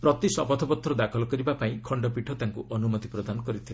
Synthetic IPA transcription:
pɾɔt̪isɔbɔt̪ʰɔpɔt̪ʰːɾɔd̪akʰɔlɔkɔɾibapaĩkʰɔɳɖɔpiʈʰɔt̪aŋkuʔɔnumɔd̪ipɾɔd̪anɔkɔɾit̪ʰila

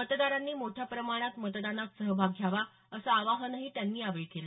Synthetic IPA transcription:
mət̪d̪aɾanːiːmoʈʰjapɾəmaɽ̃at̪mət̪d̪anak̪səɦəbʱaɡʱːjaʋa | əsəaʋaɦənəɦiːt̪janːiːaʋəɭkela

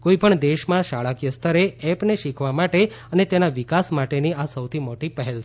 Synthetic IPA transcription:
koipəɳd̪eʃmãʃaɭakijəst̪ʰəɾeɛpneʃikʰʋamaʈe | ənet̪enaʋikasmaʈeniasəwt̪ʰimoʈipɛɦelt͡ʃʰ

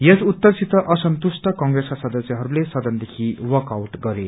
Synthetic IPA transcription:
jesut̪ːʌrsʰit̪ʌʔʌsʌnt̪usʈʌkʌŋɡreskasʌd̪ʌsjiɦʌɾulesʌd̪ʌnd̪ekʰiwʌkawʈɡʌɾe

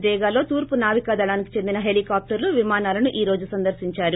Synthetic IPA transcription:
d̪ɛːɡaːlo̞ːt̪uːɾpunaːʋikaːd̪ɐɭaːnikit͡ʃend̪inɐɦe̞likaːp̚ʈɐɾluʋimaːnaːlɐnuʔiːɾo̞ːd͡ʒusɐnd̪ɐɾsiɲt͡ʃaːɾu

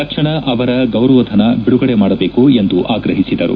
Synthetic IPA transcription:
ɐkʂɐɳɐʔɐʋɐɾɐɡɐwɾɐʋɐd̪ʱɐnɐbiɽuɡɐɽemaːɽɐbe̞ːkue̞nd̪uʔaːɡɾɐɦisid̪ɐɾṵ

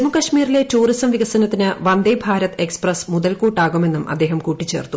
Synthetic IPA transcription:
emukɐʂmiːrile̞tuːrisɐmʋiɣɐsɐnɐt̪ːinɨʋɐnd̪ɐjbʱaːɾɐt̪eksprɐsmuðɐlkuːʈːaːɣume̞nːumʔɐ̰d̪ːe̞ːɦɐmkuːʈːit͡ɕːe̞ːrt̪ːu

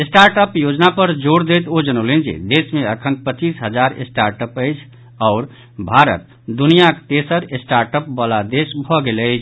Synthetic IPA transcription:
esʈaɾʈəpjod͡ʒnapəɾd͡ʒoɽd̪et̪od͡ʒənəʊlend͡ʒḛd̪esmeəkʰənpət͡ʃisɦəd͡ʒaɾḛsʈaɾʈəpəɪt͡ʃʰ | ɔʊɾ | bʱaɾə̰t̪̚ | d̪unijakt̪esəɾesʈaɾʈəp̚bəlad̪esbʱɔɡeləɪt͡ʃʰ

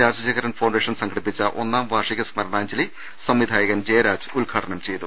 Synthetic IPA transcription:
ɾaːd͡ʑɐd͡ʑɐɣɐɾɐnfɐwɳɖeːʂɐnsɐŋɡʰɐɽipːit͡ɕːɐʔo̞̰nːaːmʋʱaːʂiɣɐsmɐɾɐɳaːɲd͡ʑɐli | sɐmʋid̪ʱaːjɐɣɐnd͡ʑejɐɾaːd͡ʑɨ̥ulɡʰʱaːʈʰɐɳɐmt͡ɕe̞jt̪u

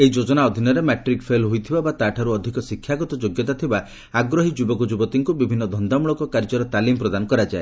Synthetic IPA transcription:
eid͡ʒod͡ʒɔnaɔd̪ʱinɔɾemɛʈɾikpʰelɦujt̪ʰibabat̪aʈʰaɾuɔd̪ʱikɔsikʰːjaɡɔt̪ɔd͡ʒoɡjɔt̪at̪ʰiba | aɡɾɔɦid͡ʒubɔkɔd͡ʒubɔt̪iŋkubibʱinːɔd̪ʱɔnd̪amuɭɔkɔkaɾd͡ʒɔɾɔt̪alimpɾɔd̪anɔkɔɾad͡ʒae

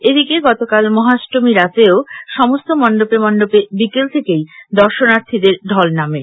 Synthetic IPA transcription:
ed̪ʱikeɡɔt̪okalmɔɦasʈomiɾat̪eoʃɔmost̪omɔnɖopemɔnɖopebikelt̪ʰekejd̪ɔɾʃonaɾt̪ʰid̪eɾɖ̪ʱɔlname

